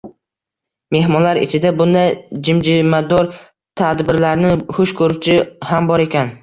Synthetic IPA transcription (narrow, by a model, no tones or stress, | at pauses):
me̞ɦmɒnlaɾɪ̰t͡ʃʰɪd̪abʊnd̪ajd͡ʒɪmd͡ʒɪmad̪ɒɾ | t̪ʰad̪bɪɾlaɾnɪhʊʃkʰɵɾʊt͡ʃʰɪhambɒɾe̞kʲan